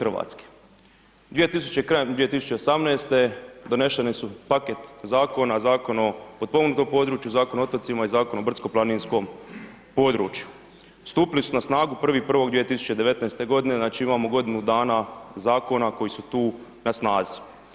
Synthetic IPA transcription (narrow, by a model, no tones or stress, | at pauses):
xrʋa̰ːt̪ske̥ | d̪ʋije̞t̪is̬u̥t͡ɕe̞kɾajemd̪ʋije̞t̪isu̥t͡ʃe̞osamneːst̪e̞d̪o̞ne̞ʃenesupaket̪zaːko̞nazaːko̞nopod̪̚poɡnut̪o̞ːmpo̞ːd̪ɾuːt͡ʃjuzaːkonaot̪ot̪imaizaːko̞nobr̩t̪sko̞plˠaninsko̞m | po̞ːd̪ɾṵːt͡ʃju | st̪uːpilisunasnaːɡupr̩ʋipr̩ʋo̞ɡd̪ʋiet̪isu̥t͡ɕe̞d̪e̞ʋe̞t̪naest̪e̞ɡo̞d̪ine̞znaːt͡ʃiimaːmo̞ɡo̞d̪inud̪aːnazaːko̞nako̞jisut̪uː | nasnaːzi̥